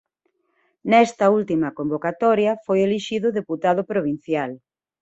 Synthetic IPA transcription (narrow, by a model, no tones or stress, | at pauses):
nɛst̪ɐult̪imɐkombokat̪ɔɾjɐfojeliʃiðʊðeput̪aðʊpɾoβ̞in̟θjal